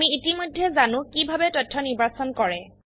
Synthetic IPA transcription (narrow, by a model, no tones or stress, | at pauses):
miitimɔjdʱɛzanʊ̃kibʱabɛtɔtʰːɔniɹbasɔnkɔɹɛ